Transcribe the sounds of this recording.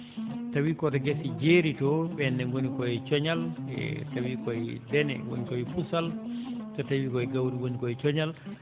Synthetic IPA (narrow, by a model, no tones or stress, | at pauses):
tawikɔtɔɡɛsid͡ʒeɾitɔɓɛnːɛŋɡonikɔɛt͡ʃɔɲal̰tawikɔjdɛnɛ̰ɡo̰nikɔjfusaltɔtawikɔjɡawɾiwonikɔjt͡ʃɔɲal